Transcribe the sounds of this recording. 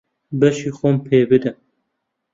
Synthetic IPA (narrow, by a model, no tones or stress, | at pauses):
bɛʃiːxompʰeːbɨd̪ɨn